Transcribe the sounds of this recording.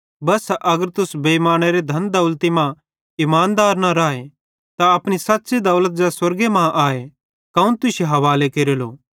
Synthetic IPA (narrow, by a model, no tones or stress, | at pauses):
bɐsʔɐɡəɾt̪ʊsbeimaːɽ̃eɾed̪ʱɐnd̪ɐːʊlt̪imã | ɪmaːnd̪aːɾnaɾaːe | t̪aɐpɽ̃isɐtːsid̪ɐːlət̪̚d͡ʒɛswɐɾɡemãʔaːe | kɐũnt̪ʊsjeɦɐʋaːlekeːɾelo̰ː